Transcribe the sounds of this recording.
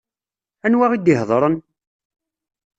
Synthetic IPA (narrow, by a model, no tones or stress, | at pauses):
ænwaʁid̪ɪɦðˤɾˤən